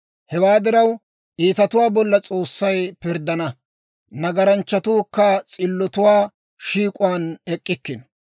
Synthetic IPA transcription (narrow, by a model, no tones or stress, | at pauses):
hɛwaːd̪ɪɾɐw | ʔiːt̪ɐt̪ʊwaːbɔlːɐt͡sʼoːsːɐjpɪɾd̪ɐnɐ | nɐɡɐɾɐnt͡ʃːɐt̪uːkːɐt͡sʼɪlːɔt̪ʊwaː | ʃiːkʼʊwaːnɛkʼːɪkːɪn